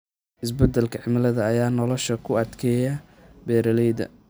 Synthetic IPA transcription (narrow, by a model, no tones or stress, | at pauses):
ʔɪsbɐd̪ɛlkʰɐʕɪmɪlɐðɐːjaːnɔlɔʃɐkʰʊɐd̪kʰɛːjɐ | bɛːɾɐlɛjðɐ̰